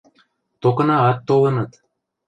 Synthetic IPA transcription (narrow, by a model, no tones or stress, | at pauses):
t̪okɤ̆nɑɑt̪ːolɤ̆nɤt̪